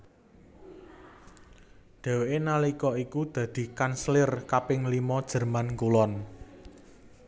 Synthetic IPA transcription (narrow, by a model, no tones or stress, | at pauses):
d̪̥ɛ̤weʔenalikɔikud̪̥ä̤d̪̥i̤kanslɪrkapɪŋlimɔd̥ʒ̥ə̤rmankulɔn